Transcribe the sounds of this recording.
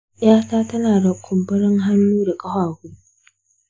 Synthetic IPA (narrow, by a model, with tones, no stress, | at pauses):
jaː˦taː˦tɐ˦naː˨dɐ˨kʷʰʊ˨mbɐ˦ɽɪ˦ŋɦa˦nːuː˦da˨kʼɐ˦haː˨ɡuː˦